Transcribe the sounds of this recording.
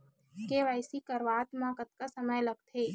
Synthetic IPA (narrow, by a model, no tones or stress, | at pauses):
keʋaɪsikəɾʋaːt̪mãːkət̪̚kasəməjlɐɡt̪ʰeː